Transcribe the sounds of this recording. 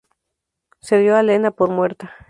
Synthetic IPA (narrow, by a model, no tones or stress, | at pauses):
seðjo̞alenapoɾmwe̞ɾt̪a